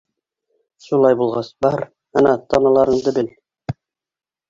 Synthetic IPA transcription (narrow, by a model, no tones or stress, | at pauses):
ʃulˠɑjbulˠʁɑsbɑɾ | ɑnɑt̪ʰɑnɑlˠɑɾɤ̆ɴd̪ɤbɘl